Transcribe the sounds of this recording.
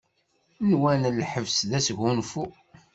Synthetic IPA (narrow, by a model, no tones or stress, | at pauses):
nwænlħəvsðæsʝunfu